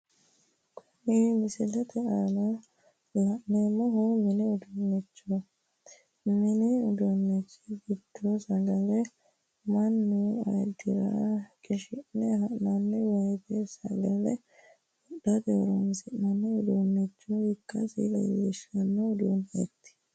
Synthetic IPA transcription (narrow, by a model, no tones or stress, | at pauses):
kʰʊnimɪsɪlɛt̪ɛʔɐnɐ | lɐʔneːmːɔɦomɪnɛʊd̪ɔnːɛt͡ʃːo | mɪnɪʊd̪ɔnːɛt͡ʃːiɡɪd̪̥ːosɐɡɐlɛ | mɐnːuɐ̰jd̪ɪɾɐ̰kʼɪʃɪnːɛɦɐʔnɐnːɛwɐjt̪ɛsɐɡɐlɛ̰ | ɔɗːɐd̪eɾɐmɪsɪʔnɐnːɛʊd̪onːɛt͡ʃːohɪkːɐsḭlɐ̰jḛːʃɐnːɛʊd̪oːnhḛt̪ːɪ̥